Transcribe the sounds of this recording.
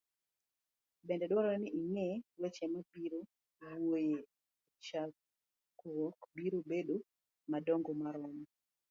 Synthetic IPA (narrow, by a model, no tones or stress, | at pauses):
bɛndɛdwɔɾɔnɪiŋɛwet͡ʃɛmabiɾo | woje | t͡ʃa | kwɔkbiɾobedo | madɔŋɡɔmaɾɔmɔ